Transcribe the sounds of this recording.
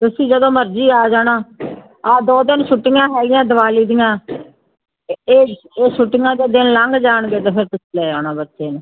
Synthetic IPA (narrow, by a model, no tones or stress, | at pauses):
t̪ʊsĩːd͡ʒəd̪õːməɾd͡ʒiːaːd͡ʒaːɽaː | aːd̪ɔːd̪ɪnʃʊʈːɪŋãːɦɛːɡɪjãːd̪əʋaːliːd̪ɪjãː | eː | eːʃʊʈːɪŋãːd̪eːd̪ɪnləŋɡd͡ʒaːɳɡeːt̪ẽːpʰɪɾt̪ʊslɛːaːnãːbətːʃeːnː